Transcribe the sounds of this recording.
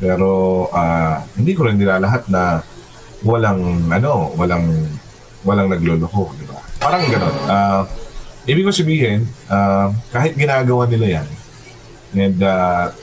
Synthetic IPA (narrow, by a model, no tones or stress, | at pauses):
pɛːɾo̞ʔaːhɪnd̪iːkoɾɪnːɪlalɐɦat̪̚nɐ | wɐlaŋʔɐno̞wɐlaŋ | wɐlaŋnɐɡloːloko̞d̪ɪbapaːɾɐŋɡɐno̞nʔa | ʔiːbɪkosɐbiːhɛnʔakaːhɪt̪̚ɡɪnaːɡɐwanɪlajan | ʔɛnd̪a